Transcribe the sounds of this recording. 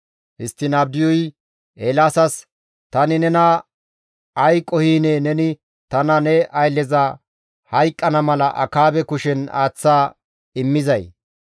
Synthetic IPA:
hɪst̪ːɪnaːb̚d̪ɪjɔj | ʔeːlaːsɐs | t̪ɐnɪnɛnɐ | ɐjkʼːɔhiːneːnɛnɪ | t̪ɐnɐnɛʔɐjlːɛzɐ | hɐjkʼːɐnɐmɐlɐ̰ʔɐ̰kaːbɛkʊʃɛna̰ːt͡sːaː | ɪmːɪzɐj

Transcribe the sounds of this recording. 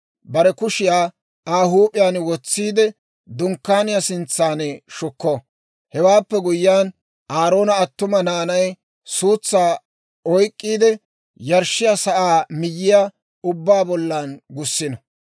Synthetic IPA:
bɐɾɛkʊʃɪjaː | aːhuːpʼɪjaːnwɔt͡sːiːd̪ɛ | d̪ʊŋkːaːnɪjasɪnt͡sːaːnɛʃʊkːɔ | hɛwaːpːɛɡʊjɪːaːn | ʔaːɾo̞ːnɐɐt̪ːʊmɐnaːnɐj | suːt͡sːaː | ɔjkʼːiːd̪ɛ | jɐɾʃːɪjasɐʔaːmɪjːɪja | ʊbːaːbɔlːaːnɡʊsːɪnɐ

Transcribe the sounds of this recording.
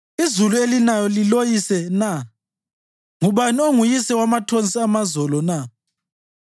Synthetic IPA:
izuluelinajɔlilojisɛna | ŋuβanioŋujisɛwamatʰont͡sʼiamazɔlɔna

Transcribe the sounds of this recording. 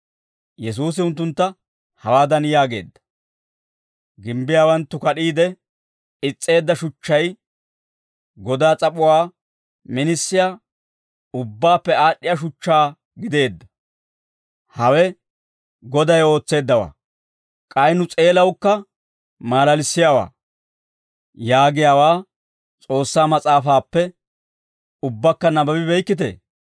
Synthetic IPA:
jɛs̬uːs̬ɪʊnt̪̬ːʊnt̪ːɐ | hɐwaːd̪ɐnjaːɡe̞̰ːd̪ːɐ̥ | ɡɪmbɪjaːwɐnt̪ːʊkɐɗiːd̪ɛ | ɪt͡sʼːe̞ːd̪ːɐʃʊt͡ʃːɐj | ɡɔd̪aːt͡sʼɐpʼʊwaː | mɪnɪsːɪja | ʊbːaːpːɛaːɗːɪjaːʃ̬ʊt͡ʃːaː | ɡɪd̪e̞ːd̪ːɐ̥ | hɐwɛ | ɡɔd̪ɐjo̞ːt͡sːe̞ːd̪ːɐwa̰ː | kʼɐjnʊt͡sʼe̞ːlɐwkːɐ | maːlɐlɪsːɪjawa̰ː | jaːɡɪjaːwaː | t͡sʼo̞ːsːaːmɐt͡sʼaːfaːpːɛ | ʊbːɐkːɐnɐbɐbɪbɛjkːɪt̪̬ḛː

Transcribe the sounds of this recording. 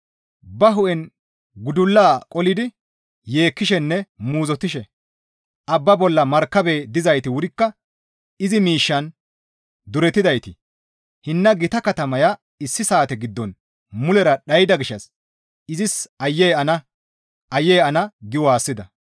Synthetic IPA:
bɐɦʊʔɛn | ɡʊd̪ʊlːaːkʼɔlɪd̪ɪ | je̞ːkːɪʃɛnːɛmuːzɔt̪ɪʃɛ | ʔɐbːɐbɔlːɐmɐɾkːɐbeːd̪ɪzɐjt̪ɪwʊɾɪkːɐ | ɪzɪmiːʃːɐn | d̪ʊɾɛt̪ːɪd̪ɐjt̪ɪ | hɪnːɐɡɪt̪ɐkɐt̪ɐmɐjɐ | ɪsːɪsaːt̪ɛɡɪd̪ːɔn | mʊlɛɾɐɗɐjɪd̪ɐɡɪʃːɐs | ɪzɪsɐjːɛjɐnɐ | ʔɐjːɛjɐnɐɡɪwɔaːsːɪd̪ɐ

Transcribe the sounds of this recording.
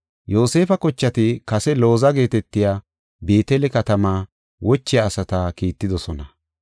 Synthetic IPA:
jo̞ːse̞ːfɐkɔt͡ʃːɐt̪ɪkɐsɛlo̞ːzɐɡe̞ːt̪ɛt̪ːɪjaː | be̞ːt̪ɛlɛkɐt̪ɐmaː | wɔt͡ʃːɪjaːsɐt̪aːkiːt̪ːɪd̪ɔsɔnɐ

